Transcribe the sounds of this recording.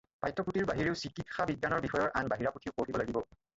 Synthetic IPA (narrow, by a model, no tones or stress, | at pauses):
pajtʰːɔputiɹbaɦiɹeʊsikitxabiɡanɔɹbixɔjɔɹʔanbaɦiɹaputʰiʊpotibɔlaɡibɔ